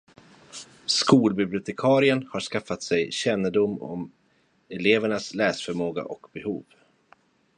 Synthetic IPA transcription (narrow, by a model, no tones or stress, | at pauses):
skuːlbɪblɪʊt̪ʰɛkʰɑːɾɪənhaʂkafat̪sɛjɕɛnːəɖʊmːɔ̰m | ɛleːvəɳaslɛːsfœɾmoːɡa̰ʔɔkbɛhṵːv